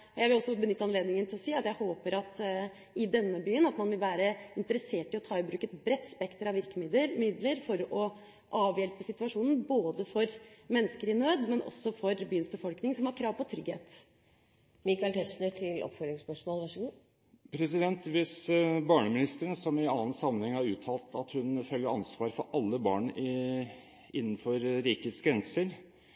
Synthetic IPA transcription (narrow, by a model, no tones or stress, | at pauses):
jæɪʋɪlɔsːɔbənʏt̪ːəɑnleːd̪nɪŋənt̪ʰɪlɔsiːɑt̪jæɪhoːpəɾɑt̪ | ɪd̪ɛnːəbyːənɑt̪mɑnʋɪlʋæːɾəɪnt̪əɾəseːʈɪɔt̪ʰɑːɪbɾʉːkət̪bɾɛt̪ːspɛkt̪əɾɑʋɪɾkəmɪd̪əmɪd̪ləɾfɔɾɔ | ʔɑːʋjɛlpəsɪt̪ʉɑʂuːnn̩boːd̪əfɔɾmɛnːəskəɾɪnøːd̪mɛnʔɔ̰sːɔfɔɾbyːənsbəfɔlknɪŋsɔmhɑɾkʰɾɑːʋpʰɔt̪ʰɾʏɡhḛːt̪ | mikaɪlt̪ʰɛsnəʈʰɪlʔɔ̰pfɔɾɾɪŋspœʂmoːlʋɑʂəɡuː | pʰɾɛsɪd̪ɛnt̪ʋɪsbɑːɳəmɪnɪst̪əɾənsɔmɪɑːənsɑmənhɛŋhæɾʉːt̪ʰɑːlt̪ɑt̪hʉnfœlːəɾɑnsʋɑːɾfɔɾʔɑlːəbɑ̰ːɳ | ɪnːn̩fɔɾɾiːkəət̪sɡɾɛnsəɾ